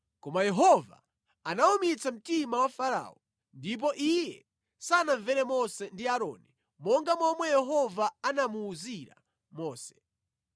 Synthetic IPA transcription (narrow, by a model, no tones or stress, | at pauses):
kɔmajɛɦɔva̰ | anaumit͡sam̩timawafaɾa̰ːɔ | ndip̬ɔʔijɛ | sanaɱvɛɾɛmɔsɛndiaɾɔ̰ːni | mɔŋɡamɔmwɛjɛɦɔvaanamuːziɾa̰ | mɔːsɛ̥